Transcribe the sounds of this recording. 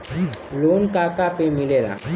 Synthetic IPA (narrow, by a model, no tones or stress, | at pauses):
loːnkaːkapemɪleːla̰ː